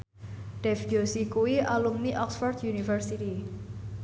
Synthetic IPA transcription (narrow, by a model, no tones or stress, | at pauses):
ɖ̥ɛfɡosikuwiʔalumniʔɔksfɔrd̪junifərsit̪i